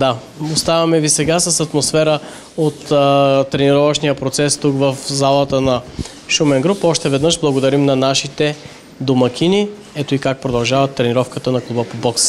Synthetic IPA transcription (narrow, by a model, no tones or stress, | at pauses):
d̪a | ost̪avɐmɛvisɛɡasəsɐt̪mosfɛɾə | ot̪t̪ːɾɛniɾɔvɐʃnijəpɾot̪sɛst̪ukvəfzalˠət̪ənɐ | ʃumɛnɡɾupɔʃt̪ɛvɛd̪nəʃblˠɐɡod̪ɐɾimnɐnaʃit̪ɛ | d̪omɐkʲini | ɛt̪oikak̚pɾod̪ɐlˠʒavɐt̪ːɾɛniɾɔfkət̪ənɐklˠubəpobɔks